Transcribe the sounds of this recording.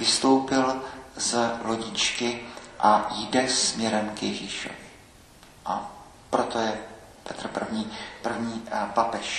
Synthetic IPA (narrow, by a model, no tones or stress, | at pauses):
vɪst̪o̞wpɪlzlo̞ɟɪt͡ʃkɪʔajdɛsmɲɛɾɛmkjɛʒiːʃo̰vɪ | ʔa | pɾot̪ojɛ | pɛt̪r̩pr̩vɲiːpr̩vɲiːpapɛʃ